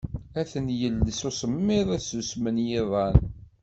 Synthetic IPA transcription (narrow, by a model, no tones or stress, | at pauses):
æθənjəlːsosəmːɪðˤæsusmənjɪðˤɑn